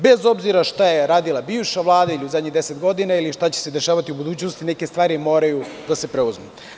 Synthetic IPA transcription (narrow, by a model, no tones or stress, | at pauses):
bezo̞bziɾaʃt̪ajeɾaːd̪ilˠabiːʋʃaʋlˠaːd̪ailiuzad̪ɲid̪e̞set̪ɡo̞d̪inailiʃt̪at͡ɕese̞d̪e̞ʃaːʋat̪iubud̪uːt͡ɕnost̪ineke̞st̪ʋaːɾimo̞ːɾajud̪ase̞pɾeuzme